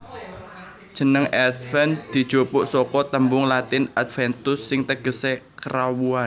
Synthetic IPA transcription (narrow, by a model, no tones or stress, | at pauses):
d̥ʒ̥ə̤nəŋɛt̪fɛnd̪̥i̤d̥ʒ̥opʊʔsɔkɔt̪əmbʊŋlat̪ɪnat̪fɛnt̪ʊsːɪŋt̪əɡ̥ə̤sekɾawuan